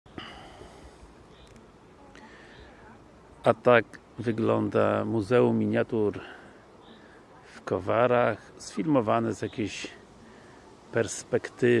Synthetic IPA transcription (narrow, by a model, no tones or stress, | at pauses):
ʔat̪ak | vɘɡlɔnd̪amuzɛumːiɲjat̪uɾ | fkɔvaɾaxsfʲilmɔvanɘzjakʲeɕ | pɛɾspɛkt̪ɘ